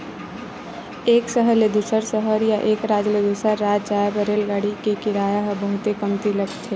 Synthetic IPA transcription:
eːksəɦəɾled̪usəɾsəɦəɾjaʔeːkɾaːd͡ʒled̪usəɾːaːd͡ʒd͡ʒaːjabəɾeːlɡaːɽikekɪɾaːjaɦbəɦʊt̪ekəmt̪iləɡt̪ʰeː

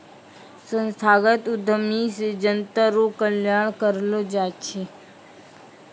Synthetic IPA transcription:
sə̃nst̪ʰaːɡət̪ʊd̪ʱəmised͡ʒənt̪əɾokəljaːɳ̃kəɾlod͡ʒaːt͡ʃʰe

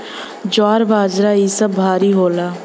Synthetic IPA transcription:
d͡ʒaːɾbaːd͡ʒɾaːiːsəbʱaːɾiːɦoːlaː

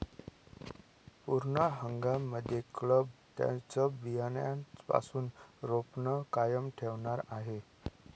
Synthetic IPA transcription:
puɾɳəɦəŋɡamːəd̪ʱːjekləbt̪jã̰t͡səbijanjant͡spa̰suːnɾopɳəkajəmʈʰeʋɳaɾaɦe

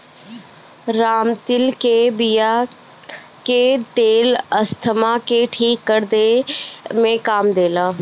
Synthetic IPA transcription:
ɾaːmt̪ɪlkebija | ket̪eːləst̪ʰəmaːkeʈʰiːkːəɾd̪e | mẽkaːmd̪eːlaː

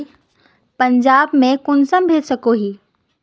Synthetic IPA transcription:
pə̃ɲd͡ʒaːbmẽkʊnsəmbʱeːdsəkoɦiː

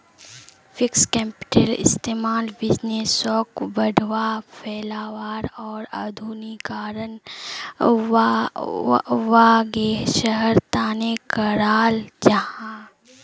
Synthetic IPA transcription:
fɪkskɛːmpɪ̥ʈelɪ̰st̪eːmaːlbɪd͡ʒneːsɔːkbɐɖʱʋapʰɛːlaːʋaːɾɔːɾa̰d̪ʱuːnikaːɾən | ʋaːɡeʃəɦəɾt̪aːnekəɾaːld͡ʒɐɦã

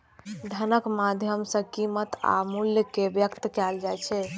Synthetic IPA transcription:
d̪ʱənəkmad̪ʱjəmsə̃kimət̪a̰muljəkebjəkt̪kɛld͡ʒajt͡ʃʰɛ

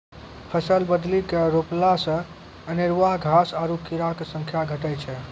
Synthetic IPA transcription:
pʰəsəlbəd̪likeɾoplasə̃ | əniɾʋaɡʱasaɾukiɾaksəŋkʰjaɡʱəʈɛt͡ʃʰɛ

